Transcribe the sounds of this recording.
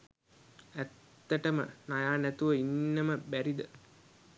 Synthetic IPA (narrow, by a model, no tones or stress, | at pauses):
æt̪ːəʈəmə̰najaːnæt̪uʋəinːəməbæɾid̪ə